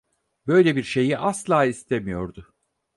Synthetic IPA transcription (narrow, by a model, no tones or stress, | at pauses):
bø̞jlʲebiɾʃe̞jiʔaslˠaːist̪ʰe̞mijo̞ɾd̪ʊ